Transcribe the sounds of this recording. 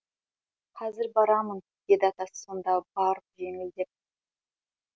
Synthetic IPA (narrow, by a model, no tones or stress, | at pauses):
qʰɑzɪɾbɑɾɑmən | ɡ̥ʲed̪ɑt̪ɑsə̥so̞nd̪ɑbɑɾəpʒe̞ŋɪld̪ep̚